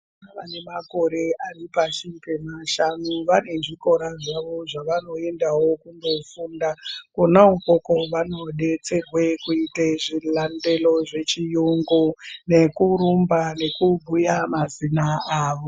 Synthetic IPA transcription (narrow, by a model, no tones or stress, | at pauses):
naʋane̞mako̞ɾe̞aripaʃipemaʃanuʋane̞ʐiko̞ɾaʐaʋo̞ʐaʋano̞e̞ndawo̞kundo̞fundakonauko̞ko̞ʋano̞ɗe̞t͡se̞rwe̞kuiteʐilande̞lo̞ʐe̞t͡ʃijuŋɡune̞kuɾumbane̞kubʱujamazinaaːʋo̞